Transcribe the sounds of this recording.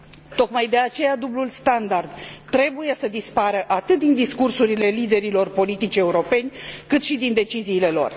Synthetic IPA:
t̪o̞kmajd̪e̞at͡ʃe̞jad̪ublulst̪and̪ard̪t̪ɾe̞buje̞səd̪ispaɾəʔat̪ɨt̪̚d̪ind̪iskursuɾile̞lid̪e̞ɾilo̞rpo̞lit̪it͡ʃʲe̞uɾo̞pe̞nʲkɨt̪ʃid̪ind̪e̞t͡ʃiziːle̞lo̞̰r

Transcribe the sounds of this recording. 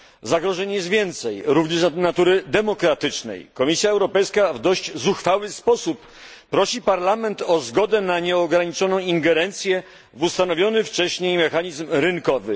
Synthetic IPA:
zaɡɾɔʐɛɲjɛst̪vʲjɛnt̪sɛjɾuvɲɛʂnat̪uɾɘd̪ɛmɔkɾat̪ɘt͡ʂnɛ̰jkɔmʲisʲjaɛwɾɔpɛjskavd̪ɔɕd͡ʑzuxfawɘspɔsupː | ɾɔɕipaɾlamɛnt̪ɔzɡɔd̪ɛnaɲɛɔɡɾaɲit͡ʂɔnɔ̃w̃iŋɡɛɾɛnt̪sʲjɛ | vust̪anɔvʲjɔnɘft͡ʂɛɕɲejmɛxaɲizmɾɘnkɔvɘ

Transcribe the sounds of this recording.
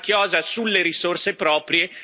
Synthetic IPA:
k̟jɔːzasulːeɾisorsepɾɔːpɾje

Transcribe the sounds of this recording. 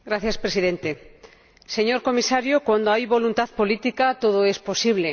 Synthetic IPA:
ɡɾaθjaspɾesiðẽnt̪e | se̞ɲoɾko̞misaɾjokwand̪oajβo̞lunt̪aðpolit̪ikat̪oð̞oespo̞siβ̞le̞

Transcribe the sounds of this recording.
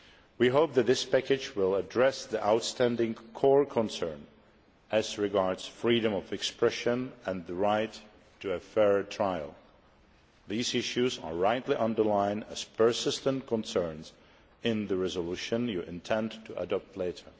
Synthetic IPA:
wiɦoʊp̚ðɨt̪̚ðɪspʰækɨd͡ʒwɪlˠədɹɛsðiʔaʊtstʰæ̃ndɪ̃ŋkʰɔɹkʰə̃nsɜ̃˞n | ɨzɹɨɡɑɹdz̥fɹiɾɨ̃mʌvɨkspɹɛʃɨ̃nɨ̃nðɨɹaɪtʰː | ɨɨfɛɹtʰɹ̥aɪl̩ˠ | ðizɪʃʉzə̰˞ɹaɪtˡliʔʌ̃ndə˞lãɪ̃nɨ̰z̥pʰə˞sɪstə̃nkʰə̃nsɜ̃˞nz̥ | ɪ̃nðɨɹɛzəluʃɨ̃njɨʔɪ̃ntʰɛ̃ntʰɨʔə̰dɔp̚tʰˡleɪɾə˞

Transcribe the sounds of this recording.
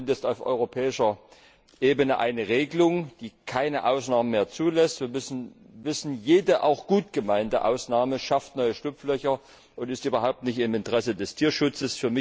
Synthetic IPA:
ntjɛstaʊfʔɔ̰ʏʁopʰɛːɪʃɐ | ʔeːbənəʔa̰ɪnəʁeːɡəlʊŋd̥iːkʰaɪnəʔaʊsnaːmənmeːɐt͡suːlɛstviːɐmʏsn̩ | vɪsn̩jeːdəʔa̰ʊxɡ̥uːtɡ̥əmaɪntə̰ʔa̰ʊsnaːməʃaftnɔʏəʃtʊp͡flœçɐ | ʔʊntɪstʔyːbɐɦaʊp̚tnɪçtɪmɪntəʁɛsədɛstʰiːɐʃʊt͡səsfyːɐmɪ

